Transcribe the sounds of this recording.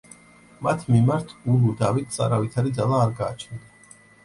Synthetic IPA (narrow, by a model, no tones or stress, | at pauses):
mat̪ʰmimaɾt̪ʰulud̪avit̪̚ʰsʼa̰ɾavit̪ʰaɾid̪zalˠaːɾɡaːt͡ʃʰnia